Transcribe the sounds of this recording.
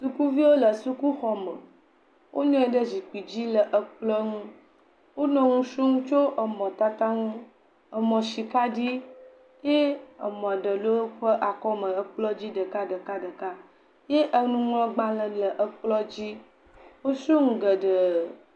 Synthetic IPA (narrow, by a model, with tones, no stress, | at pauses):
su˦ku˦vi˦wo˦lə˨su˦ku˦xɔ˨mə̃˨ | wʔo˦ɲɔ̃˦ɛ˨ɖə˦zi˨k͡pi˨d͡ʑi˦lə˨ʔə˨k͡plɔ˦ŋũ˦ | wo˦nɔ̃˦ŋũ˦ʃu˦ŋũ˦t͡ʃo˦ʔə˨mɔ̃˨t̪a˦t̪a˦ŋũ˦ | ə˨mɔ̃˨ʃi˨ka˦ɖi˦ | je˦ə˨mɔ̃˨ɖə˨lo˦wo˦ɸə˦ʔa˨kɔ˦mə̃˨ə˦k͡plɔ˦d͡ʑi˦ɖə˨ka˦ɖə˨ka˦ɖə˨ka˦ | je˦ʔə˨nũ˦ŋlɔ̃˦ɡ͡ba˦lə̃˨lə˨ʔə˨k͡plɔ˦d͡ʑi˦ | wo˦su˦ŋũ˨ɡə˨ɖə˨